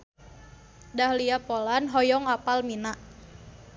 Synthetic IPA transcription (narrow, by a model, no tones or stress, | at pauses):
dahliapolanɦɔjɔŋapalminaʔ